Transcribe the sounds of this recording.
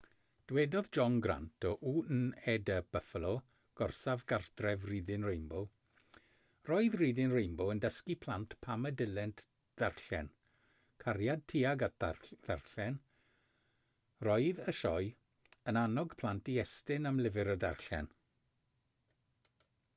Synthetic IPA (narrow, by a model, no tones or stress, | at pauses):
d̥wɛdɔðd͡ʒɔnɡra̰ntʰɔʔuːnɛdəb̥əfəlˠɔ | ɡ̥ɔrsavɡardrɛvriːdɪnrejmbɔ | rɔɨðriːdɪnrejmbɔəndəskipʰlˠantpʰamədɪlɛntʰ | d̥arɬɛn | kʰaɾjad̚tʰiːaɡða̰rɬɛn | rɔɨðəʃɔj | ənanɔɡ̥pʰl̥ˠantiɛstɪnamlɪvɪɾəda̰rɬɛ̰n